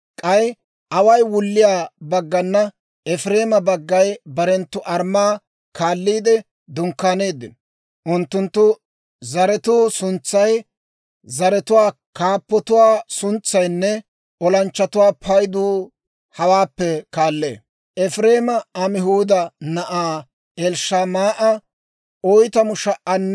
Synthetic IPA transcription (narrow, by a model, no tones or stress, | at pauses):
kʼɐj | ʔɐwɐjwʊlːɪjaːbɐɡːɐnːɐ | ɛfɾe̞ːmɐbɐɡːɐjbɐɾɛnt̪ːʊʔɐɾmaː | kaːlːiːd̪ɛ | d̪ʊŋkːaːne̞ːd̪ːɪnɔ | ʔʊnt̪ːʊnt̪ːʊ | zɐɾɛt̪uːsʊnt͡sːɐj | zɐɾɛt̪ʊwaː | kaːpːɔt̪ʊwaːsʊnt͡sːɐjnːɛ | ɔlɐnt͡ʃːɐt̪ʊwaːpʰɐjd̪uː | hɐwaːpːɛkaːlːḛː | ʔɛfɾeːmɐɐmɪɦuːd̪ɐnɐʔaː | ɛlʃamaːʔɐ | ʔɔjt̪ɐmʊʃɐʔɐnː